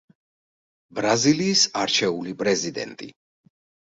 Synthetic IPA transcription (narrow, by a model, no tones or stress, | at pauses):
bɾaziliːsaɾt͡ʃʰɛulipʼɾɛzid̪ɛ̰nt̪ʼḭ